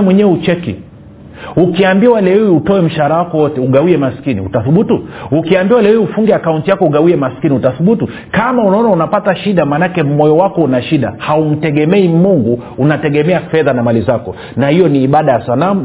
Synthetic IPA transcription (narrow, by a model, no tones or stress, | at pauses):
mwɛɲɛɛut͡ʃɛkḭ | ukiambiwaalɛwɛwiutɔɛm̩ʃaɾawakɔwɔtɛuɠawiɛmasi̥kinḭutaθuɓutuukiambiwaalɛwɛwiufuŋɡɛakauntijakɔuɠawiɛmaskiniutaθuɓutu | kamaunaɔnaunapataʃiɗamanakɛmɔjɔwakɔunaʃiɗa̰haum̩tɛɡɛmɛimuŋɡu | unatɛɡɛmɛafɛðanamalizakɔ | nahijɔniːɓaɗajasanamu